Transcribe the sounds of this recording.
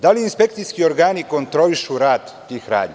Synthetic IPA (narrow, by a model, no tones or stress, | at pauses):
d̪aliːnspe̞kt̪sijskio̞ɾɡaːniko̞nt̪ɾo̞liʃuɾaːd̪ːiːxɾa̰ːd̪ɲi